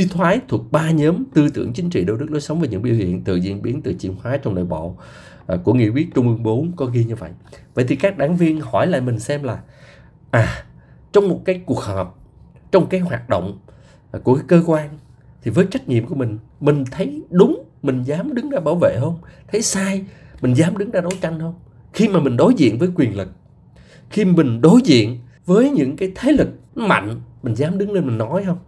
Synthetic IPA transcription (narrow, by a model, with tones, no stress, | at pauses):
si˧t̪ʰwaː˨˦jt̪ʰwək̚ɓaː˧ɲəː˨˦mt̪ɨ˧t̪ɨ̰˧˩əŋt͡ɕï˨˦ŋ̟t͡ɕḭ˧˨ɗe˧wɗɨ˦˥k̚nɔ˨˦jsə˨˦wvəː˨˩ɲɨ̰˧˥ŋɓḭ˧˨whḭ˧˨ənt̪ɨ̰˧˨zḭ˧˨ənɓi˨˦ənt̪ɨ̰˧˨˩t͡ɕḭ˧˨ənhwaː˨˦t͡ɕɔ˧wŋ͡mɗə̰ː˧˨˩jɓɔ̰˧˨˩ | ku˧˩əŋḭ˧˨kwi˦˥ət̚t͡ɕʊ˧ŋ͡mʔɨ˧əŋɓo˨˦nkɔ˨˦ɣi˧ɲɨ˧və̰˧˨jʔvə̰˧˨jt̪i˨˩kaː˦˥k̚ɗaː˧˩ŋvi˧ənhɔ˧˩jla̰ː˧˨jmï˨˩ŋ̟sɛ˧mlaː˨˩ | ʔaː˨˩ | t͡ɕɔ˧wŋ͡mmo˨˩t̚kaː˨˦jku˨˩ək̚həː˨˩p̚ | t͡ɕɔ˧wŋ͡mkaː˨˦jhwaː˨˩t̚ɗo̰˧˨wŋ͡m | ku˧˩ə˨˦kəː˧kwaː˧n | t̪ʰi˨˩vəː˨˦jt͡ɕa˦˥k̟̚ɲḭ˧˨əmku˧˩əmï˨˩ŋ̟mï˨˩ŋ̟t̪ʰə˨˦jɗʊ˨˦ŋ͡m | mï˨˩ŋ̟zaː˨˦mɗɨ˨˦ŋzaː˧ɓaː˧˩wvḛ˧˨ɦəː˧wŋ͡mt̪ʰə˨˦jsaː˧j | mï˨˩ŋzaː˨˦mɗɨ˨˦ŋzaː˧ɗo˨˦jt͡ɕa˧jŋ̟hə˧wŋ͡m | xi˧maː˨˩mï˨˩ŋ̟ɗo˨˦jzḭ˧˨ənvəː˨˦jkwi˨˩ənlɨ˨˩k̚ | xi˧mï˨˩ŋ̟ɗo˨˦jzḭ˧˨ən | vəː˨˦jɲɨ̰˧˥ŋkaː˨˦jt̪ʰe˨˦lɨ˨˩k̚ma̰˧˨jŋmï˨˩ŋ̟zaː˨˦mɗɨ˨˦ŋle˧nmï˨˩ŋ̟nɔ˨˦jhə˧wŋ͡m